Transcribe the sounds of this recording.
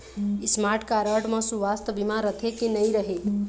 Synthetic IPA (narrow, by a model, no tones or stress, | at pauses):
ɪsmaːɾʈʰkaɾəʈmə̃suʋast̪əbimãɾət̪ʰekenəĩɾəɦe